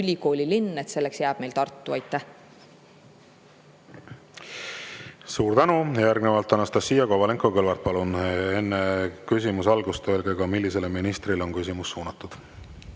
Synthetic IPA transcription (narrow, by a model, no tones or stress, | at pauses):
ylʲiko̞ːlʲilinːet̪se̞lːe̞ksjæːb̥me̞jlt̪ɑrt̪ːˑuɑjt̪ːˑæh | suːɾt̪ænujjjæɾɡnevɑlt̪ːˑɑnɑst̪ɑsijɑkovɑle̞ŋko̞kɤlvɑɾt̪̚pɑlunenːekys̬ʲimusɑlɡust̪ø̞lɡeɡ̥ɑmilːise̞leminist̪rilo̞nkys̬ʲimusːuːnɑt̪ːˑud̪̥